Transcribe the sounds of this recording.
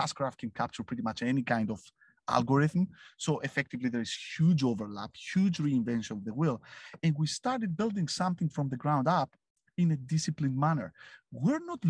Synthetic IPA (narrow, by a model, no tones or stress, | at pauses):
askɹaft̚kʰɛ̃nkʰap̚t͡ʃəɹpʰɹiɾimat͡ʃɛnikãj̃ndɔv̥ | a̰lˠɡɔɹɪθm̩soʔɛfɛk̚t̪ɨvliðəɹɪz̥hjud͡ʒovəɹlæ̰phjud͡ʒɹiɪ̃ɱvɛ̃nʃɔ̃nvðəwɪlˠɛ̃nwist̪ɑɹɾɨd̪̚bɪlˠd̪ɪ̃ŋsʌ̃mθɪ̃ŋfɹɔ̃mðəɡɹãw̃ndap | ĩnɨdɪsɨplĩnmænə̰˞wɪɹnɔt